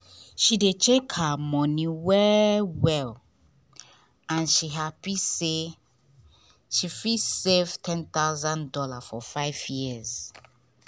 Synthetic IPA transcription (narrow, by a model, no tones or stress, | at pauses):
ʃidet͡ʃekhamɔ̃niwɛwɛl | ãnʃiɦapise | ʃifisevtʰɛ̃nt̪aʊzãndɔlafɔfaɪvjiz